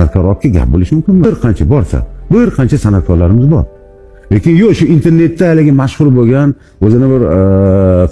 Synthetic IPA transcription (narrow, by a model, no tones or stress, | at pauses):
at̪kʰɒɾɒp̚kʰʲaɡʲa̰p̚bolɪʃmʊmkʲɪnmɪɾqʰɑnt͡ʃʰabɒɾsa̰bɪɾqʰɑnt͡ʃʰasanat̪̚kʰɒɾlaɾɪmɪzbɒ̰ɾ | le̞kʲɪnjoʃʊɪnt̪ʰe̞ɾne̞t̪ːaalɪɡʲɪmaʃχʊɾboɡʲan | ɵzɪnɪbɪɾ